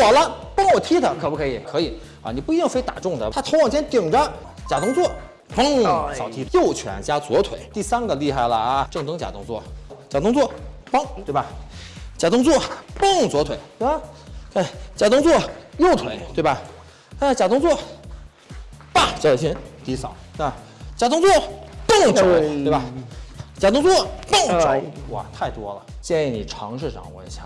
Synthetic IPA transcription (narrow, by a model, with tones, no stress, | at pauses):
wɔ˨˩lə˦pɑ˥ŋwɔ˨˩t̪ʰi˥d̪ə˨kʰɤ˨˩pu˥˩kʰɤ˧˥i˨˩kʰɤ˧˥i˨˩˦ | ɐ̰˧˩ni˨˩pu˥˩i˧˥i˥˩ŋfe˥ɪt̪a̰˨˩ʈ͡ʂʊ˥˩ŋd̪ə˩t̪ʰa˥t̪ʰo˧˥wɑ˨˩ŋt͡ɕjɛ˥nt̪i˨˩ŋʈ͡ʂə˥˦ | t͡ɕja˨˩t̪ʊ˥ŋt͡swɔ˥˩ | pɑ˥ŋ˨sɑ˨˩ʊt̪ʰi˥jo˥˩ʊt͡ɕʰɥɛ̰˧˥nt͡ɕja˥t͡swɔ˧˥t̪ʰwe˨˩˦ɪt̪i˥˩sa˥nɡə˨li˥˧xa˥˩ɪlə̰˩a˧ʈ͡ʂɤ˥˩˧ŋt̪ɤ˥ŋt͡ɕja̰˨˩ʊ̰˥ŋt͡swɔ̰˥˩t͡ɕja˨˩t̪ʊ˥ŋt͡swɔ˥˩pɑ˥ŋt̪we˥˩ɪba˨˩t͡ɕja˨˩t̪ʊ˥ŋt͡swɔ˥˩pɤ˥˩ŋt͡swɔ˧˥t̪ʰwe˨˩˦ɪt̪we˥˩ɪba˧˩ka˥˩t͡ɕja˨˩t̪ʊ˥ŋt͡swɔ˥˩jo˥˩ʊt̪ʰwe˨˩˦ɪt̪we˥˩ɪbɐ˨˩ | a˥t͡ɕja˨˩t̪ʊ˥ŋt͡swɔ˥˩ | pa˥˩t͡ɕjɑ˧˥˨ɕʰɛ˧˥nt̪i˧˥sɑ˨˦ʊna˥˧˩ | t͡ɕja˨˩t̪̬ʊ˥ŋt͡swɔ˥˩pɤ˥˩ŋʈ͡ʂo˥˧˥t̪e˥˩ɪbɐ˨˩t͡ɕja˨˩t̪ʊ˥ŋt͡swɔ˥˩pɤ˥˩ŋ˧˥˦wɔ̰˨˩t̪ʰa˥˩ɪt̪wɔ˥lə˨t͡ɕjɛ˥˧ni˥˩ni˨˩ʈ͡ʂʰɑ̰˧˥ŋʂ̬ɻ̩˥˩ʈ͡ʂɑ̰˨˩ŋwɔ̰˧˩˥t͡ɕʰjɑ˧˩